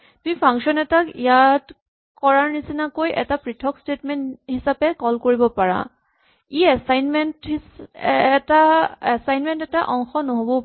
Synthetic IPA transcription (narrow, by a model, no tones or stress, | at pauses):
tumipʰaŋkʃɔnɛtakijat | kɔɹaɹnisinakojɛ̰tapɹitʰɔkstetmɛnthisapɛkɔlkoɹibɔpaɹa̰ | iɛsajnmɛntː | taɛsajnmɛntɛtaʔɔŋxɔnoɦobɔ